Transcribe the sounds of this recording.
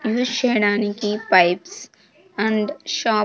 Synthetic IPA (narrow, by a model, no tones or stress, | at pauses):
juːzʃeːɽaːnekipaɪps | ɛ̃ɳɖʃɔː